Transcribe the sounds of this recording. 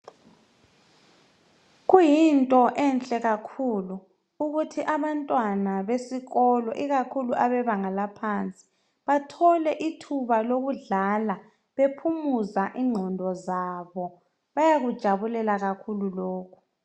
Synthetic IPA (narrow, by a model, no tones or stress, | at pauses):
ɣujintʼɔʔɛnt͡ɬʼɛɣakʰuːluː | ɣutʰiʔaβantʼwanaβesiɣɔlɔʔiɣakʰuluʔaβɛβaŋalapʰant͡sʼi̥ | βatʰɔlɛʔitʰuβaloɣuɮala | βepʰumuzaʔiŋ͡ǃʱɔndʱɔzaβɔ | βajaɣud̥ʒ̥ʱaβulɛlaɣakʰululoːkʰu̥